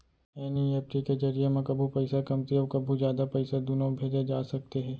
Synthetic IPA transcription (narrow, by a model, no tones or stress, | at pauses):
ɛːnieːp̚ʈiked͡ʒɐɾijemẽkɐbʱupɐɪsakɐmt̪iɔːɾkɐbʱuzjaːd̪apɐɪsad̪ʊnobʱeːd͡ʒad͡ʒaːsɐk̚t̪eɦɛː